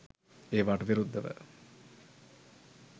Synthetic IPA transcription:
eːʋaʈəʋiɾud̪ːəʋə̰

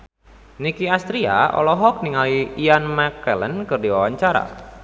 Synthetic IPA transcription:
nikiast̪ɾia̰ʔɔ̰lɔɦɔk̚niŋaliːanmakələnkɨrdiwawaɲt͡ʃaɾa̰

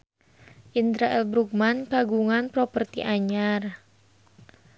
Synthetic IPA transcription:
ʔind̪ɾaʔɛlbɾuk̚mankaɡuŋanpɾɔpərt̪iʔaɲar

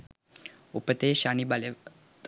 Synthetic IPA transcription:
upət̪eːʃaːnibale | t̪

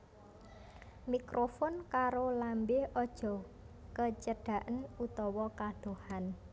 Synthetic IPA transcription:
mikɾʔofɔnkaɾolambɪhɔd̥ʒ̥ɔ̤ | kət͡ʃəɖ̥a̤ʔənut̪ɔwɔkad̪̥o̤han

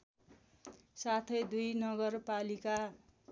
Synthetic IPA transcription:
sat̪ʰʌjd̪ujnʌɡʌrpalika

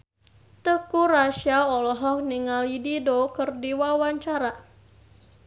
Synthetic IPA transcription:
t̪əkuɾaʃaɔlɔɦɔk̚niŋalididokərdiwawaɲt͡ʃaɾa

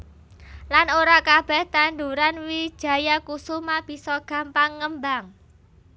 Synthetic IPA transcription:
lanoɾakab̥ɛ̤ht̪and̪uɾanwi̥ʒ̥ä̤jakusumab̥i̤sɔɡ̥ä̤mpaŋːəmbaŋ

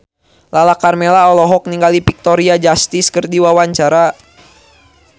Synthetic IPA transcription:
lalakarmɛlaɔlɔɦɔk̚niŋɡalipik̚t̪ɔɾiad͡ʒast̪iskərdiwawaɲt͡ʃaɾa

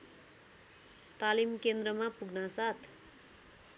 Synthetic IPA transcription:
t̪alimkend̪rʌmapuɡ̚nasat̪

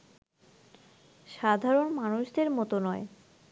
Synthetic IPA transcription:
ʃad̪ʱaɾonmanuʃd̪eɾmɔt̪onɔe

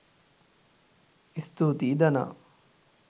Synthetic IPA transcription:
ist̪uːt̪iːd̪ɐna̰

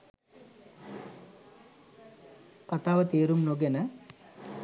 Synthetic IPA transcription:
kat̪aːʋət̪eːɾumnoɡenə

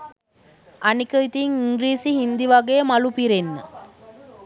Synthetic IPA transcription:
anikəit̪iŋiŋɡɾiːsiɦind̪iʋaɡeːmalupiɾenːə

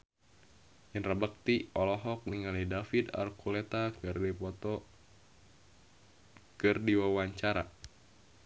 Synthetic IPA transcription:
jənrabək̚t̪iɔlɔɦɔk̚niŋalidafid̪a̰lkulet̪akripɔt̪ɔ | kɨrdiwawaɲt͡ʃaɾa

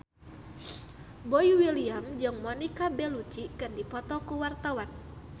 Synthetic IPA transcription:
bɔjwiliamd͡ʒɨŋmɔnikabɛlut͡ʃikɨndipɔt̪ɔkuwart̪awan

